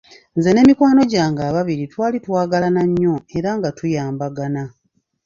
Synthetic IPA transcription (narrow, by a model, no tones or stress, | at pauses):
nze̞ne̞mikwaːno̞ɟaːŋɡaːβaβiɾitwaːlitwaːɡalanaɲːo̞e̞ɾaŋɡatujaːmbaɡana